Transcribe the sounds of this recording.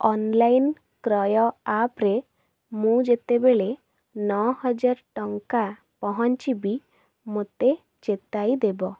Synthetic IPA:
ɔnlajn | kɾɔjɔapɾe | mũd͡ʒet̪ebeɭe | nɔhɔd͡ʒaɾʈɔŋka | pɔɦɔnt͡ʃibi | mot̪e | t͡ʃet̪ajd̪ebɔ

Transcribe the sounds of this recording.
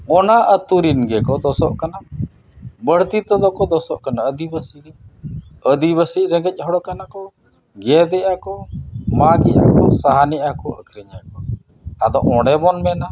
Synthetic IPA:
ɔnaʔət̪uɾinɡɛkɔd̪ɔsɔʔkana | bəɽ̤t̪it̪ɔd̪ɔkɔd̪ɔsɔʔkanaəd̪ibəsiɾɛ | əd̪iβəsiʔɾɛɡɛc̚ˀɦɔɽɔkanakɔ | ɡɛd̪ɛʔakɔmaɡiʔa̰kɔ̰saɦanɛʔakɔʔəkʰɾɛɲakɔ | ad̪ɔʔɔ̃ɽɛbɔnmɛna

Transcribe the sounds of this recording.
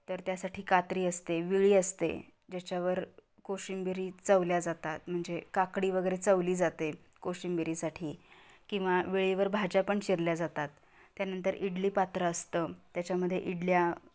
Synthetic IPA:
t̪əɾt̪jasaʈʰiːkat̪ɾiːəst̪eʋiɭiːəst̪ḛ | d͡ʑat͡ɕjaʋəɾ | koɕimbiɾiːt͡səʋljad͡zat̪at̪m̤əɳd͡zekakɽiːʋəɡəjɾet͡səʋliːd͡zat̪e | koɕimbiɾiːsaʈʰiːkĩw̃ʋaʋiɭiːʋəɾbʱad͡ʑapəɳɕiɾljad͡zat̪at̪ː | janənt̪əɾiɽliːpat̪ɾəːst̪əːt̪jat͡ɕaməd̪ʱːjḛʔiɽlja

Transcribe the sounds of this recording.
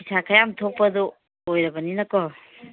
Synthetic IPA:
isakʰajamtʰok̚pɐd̪ɔː | jɾɐbɐninɐkɔ

